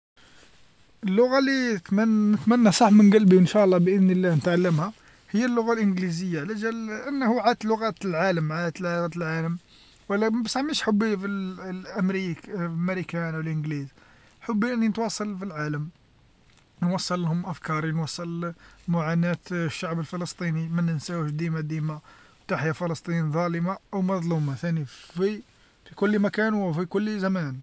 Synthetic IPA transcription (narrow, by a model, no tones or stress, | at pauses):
ʔəlːʊɣalit̪mnət̪mænːæsˤɑħmənɡælbiənʃæʔlˤːɑbʔəðnəlːænət̪ʕalːəmhæ | həjːəlːʊɣalʔənɡlizəjːaʕlæʒælʔənːhuʕat̪lʊɣæt̪lʕaləmʕad̪ət̪læɣæt̪lʕaləm | wəlːæmæbsaʕmiʃħʊbːifiʔəmɾikfmɾikænwəlʔənɡliz | ħʊbːiʔənːinət̪wɑsˤɑlfilʕaləm | nwɑsˤːɑlːhʊmʔæfkɑɾˤinwɑsˤːɑlmʊʕanæt̪ʃːaʕbəlfələst̪ˤinimənːænsæwəʃd̪imad̪imawt̪aħjafələst̪ˤinðˤɑləmaʔəwmɑðˤlumɑt̪ænifi | fikʊlːmækænwfikʊlːzæmæn